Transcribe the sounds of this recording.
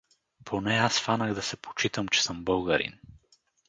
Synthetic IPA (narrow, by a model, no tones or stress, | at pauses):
pʰonɛasfanəɣd̪ɐsɛpʰo̥t͡ʃit̪əmt͡ʃɛ̥səmbɤlˠɡəɾḭn